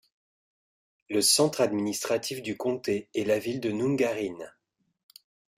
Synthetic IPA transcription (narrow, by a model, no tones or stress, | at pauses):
ləsɑ̃t̪χad̪minist̪χat̪ifd̪ykɔ̃t̪eɛlavild̪ənũŋɡaʁin